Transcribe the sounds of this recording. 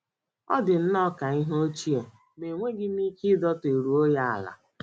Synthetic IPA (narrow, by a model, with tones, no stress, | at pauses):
ɔ̰˦dɪ˨n̩˦nɔ˦ka˨i˦ɦo˦t͡ʃi˦e˨ | me˨ŋʷe˦ɡɪ˦ni˦kɪ˦dɔ˦te˨ɾu˨o˦ja˦a̰˨la̰˨